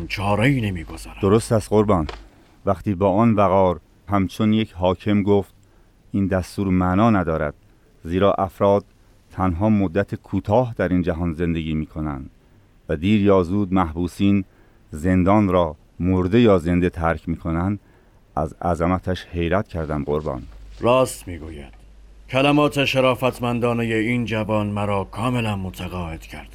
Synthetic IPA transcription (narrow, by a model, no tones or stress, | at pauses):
t͡ʃʰɒːɾɒinemiːɡozæɾd̪oɾost̪æst̪ɢoɾbɒːn | væχt̪iːbɒːɒːnbæɣɒːɾ | hæmt͡ʃʰonje̞cʰɦɒːcʰe̞mɡoːft̪ | ʔiːnd̪æst̪uːɾmænɒːnæd̪ɒːɾæd̪̥̚ | ziːɾɒːʔæfɾɒːd̪̥̚ | t̪ʰænɦɒːmod̪ːæt̪ʰekʰuːt̪ʰɒːɦd̪æɾiːnd͡ʒæɦɒːnze̞nd̪e̞ɟiːmiːkʰo̞næ̰nd̪̥ | væd̪iːɾjɒːzuːd̪̚mæhbuːsiːn | ze̞nd̪ɒːnɾɒː | moɾd̪e̞jɒːze̞nd̪e̞t̪ʰæɾcʰmiːkʰo̞nænd̪ | ʔæ̰zæ̰zæmæt̪ʰæʃhe̞jɾæt̪cʰæɾd̪æmɢo̞ɾbɒ̰ːnɾɒːst̪miːɡuːjæ̰d̪̥cʰælæmɒːt̪ʰeʃeɾɒːfæt̪ʰmænd̪ɒːnejeiːnd͡ʒævɒːnmæɾɒːkʰɒːmelænmot̪ʰæɣɒːed̪̥cʰæɾd̪̥